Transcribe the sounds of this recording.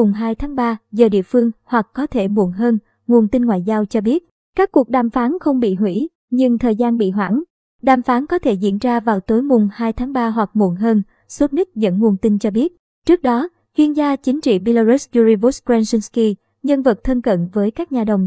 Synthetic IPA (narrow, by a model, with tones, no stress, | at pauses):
ʊ˨˩ŋ͡mɦaː˧jt̪ʰaː˨˦ŋɓaː˧zəː˨˩ɗḭ˧˨əfɨ˧əŋhwa˨˩kːɔ˨˦t̪ʰe˧˩mṵ˧˩ənɦəː˧n | ŋu˨˩ənt̪i˧nŋwa̰ː˧˨jzaː˧wt͡ɕɔ˧ɓi˦˥ət̚ | kaː˦˥kːu˨˩ək̚ɗaː˨˩mfaː˨˦nxə˧wŋ͡mɓḭ˧˨ɦwḭ˧˥ | ɲɨ˧ŋt̪ʰəː˨˩jzaː˧nɓḭ˧˨ɦwa̰ː˧˩ŋ | ɗaː˨˩mfaː˨˦nkɔ˨˦t̪ʰe˧˩zḭ˧˥ənzaː˧vaː˨˩wt̪o˨˦jmʊ˨˩ŋ͡mhaː˧jt̪ʰaː˨˦ŋɓaː˧ɦwa˨˩k̚mu˧˩ənɦəː˧n | so˦˥t̚ni˦˥t̚zə̰˧˥nŋu˨˩ənt̪ï˧nt͡ɕɔ˧ɓi˦˥ət̚ | t͡ɕɨ˦˥ək̚ɗɔ˨˦ | t͡ɕwi˧ənzaː˧t͡ɕï˨˦ŋ̟t͡ɕḭ˧˨ɓi˧la˧zu˦˥szu˧zi˧vu˦˥skzɛ˧nsi˧nski˧ | ɲə˧nvə˨˩t̚t̪ʰə˧nkə̰˧˨nvəː˨˦jkaː˦˥k̚ɲaː˨˩ɗə˨˩wŋ͡m